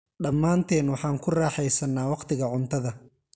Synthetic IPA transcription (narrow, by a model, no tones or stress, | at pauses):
ɖɐmːaːnt̪ʰɛːnwɑħɑːŋkʰʊraːħɛjsɐnːaːwɑqt̪ʰɪɣɐʕʊnt̪ʰɐðɐ